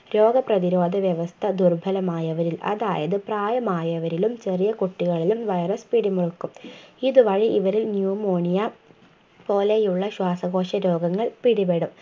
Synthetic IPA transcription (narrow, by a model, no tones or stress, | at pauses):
ɾo̞ːɡɐprɐðiɾo̞ːd̪ʱɐʋjɐʋɐst̪ʰɐd̪urbʱɐlɐmaːjɐʋɐɾilʔɐ̰ða̰ːjɐðɨpraːjɐmaːjɐʋɐɾilumt͡ɕe̞rijɐkuʈːiɣɐɭilumʋɐjrɐspiɽimuɻukːumiðɨʋɐɻiʔiʋɐɾilnjuːmoːɳijɐ | po̞ːlejuɭːɐɕwaːsɐɣo̞ːʂɐɾo̞ːɡɐŋːɐɭpiɽibeɽum